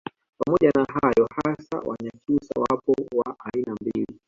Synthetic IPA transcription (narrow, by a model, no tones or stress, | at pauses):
pamɔʄanaɦajɔhasa̰wʔa̰ɲat͡ʃusa̰wapɔwaʔainambili